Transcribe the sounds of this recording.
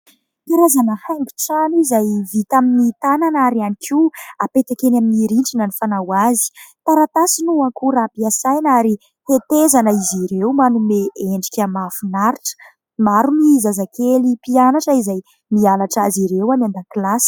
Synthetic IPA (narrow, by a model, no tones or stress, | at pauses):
kaɾazanəhaŋɡi̥ʈ͡ʂanizajvit̪aminit̪ananaɾianikʰiapet̪akenaminiɾiɳʈ͡ʂinənifanawazi̥t̪aɾat̪asinuakuɾapiasajnaɾi | het̪ezanəiziɾewmanumeeɳɖ͡ʐi̥kʲamafunaɾiʈ͡ʂə̥ | maɾumizazakelipianaʈ͡ʂəizaj | mianaʈ͡ʂaziɾewanand̪akilasi̥